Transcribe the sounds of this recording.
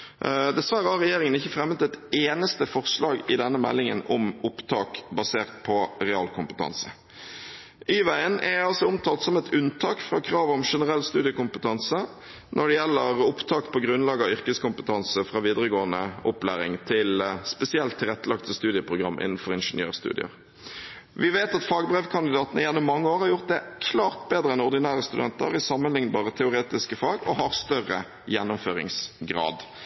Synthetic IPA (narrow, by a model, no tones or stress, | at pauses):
d̪ɛsʋæɾəhɑɾʁɛjeːɾɪŋənɪçːəfɾɛmːət̪ɛt̪eːnəst̪əfɔʁslɑːɡɪd̪ɛnːəmɛ̰lːɪŋə̰nɔmʊpt̪ʰɑːkbɑseːʁt̪pʰɔʁɛɑ̰ːlkʰʊmpət̪ʰɑ̰nsə | ʔiːʋæɪənɛɑlsɔʊmt̪ʰɑːlt̪sɔmɛt̪ʉnt̪ʰɑːkfʁɑːkʰɾɑːʋɔmʂɛnəɾɛlːst̪ʉːd̪ɪəkʊmpət̪ʰɑnsə | nʔɔɖɛjɛlːəɾʊpt̪ʰɑːkpʰɔɡɾʉnlɑːɡɑʏʁkəskʊmpət̪ʰɑnsəfʁɑːʋiːd̪ɾəɡoːənəʔʊplæ̰ːɾɪ̰ŋt̪ʰɪlspɛsɪɛlt̪ʰːɪlɛt̪ːəlɑkt̪əst̪ʉːd̪ɪəpʰʁʊɡʁɑmːʔɪ̰nːn̩fɔʁɪnʂənjø̰ːʁst̪ʉ̰ːd̪ɪ̰ə̰ɾ | ʋɪʋeːt̪ɑt̪fɑːɡbʁɛʋkʰɑnd̪ɪd̪ɑːt̪ənəɪjɛnːɔmːɑŋːəoːɾhɑɾjʊʁt̪̚d̪ɛkʰlɑːʁt̪̚beːd̪ɾəɛnɔʁd̪ɪnæːʁəst̪ʉd̪ɛnt̪ə̰ɾɪsɑmːənlɪŋnbɑːʁət̪ʰɛʊɾeːt̪ɪskəfɑːɡɔɦɑɾst̪œʁə̰ | jɛnːʊmføːʁɪ̰ŋsɡʁɑ̰ːd̪